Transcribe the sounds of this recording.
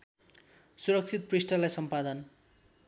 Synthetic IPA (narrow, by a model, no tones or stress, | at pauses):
suɾʌk̚t͡sʰit̪̚prisʈʌlajsʌmpad̪ʌn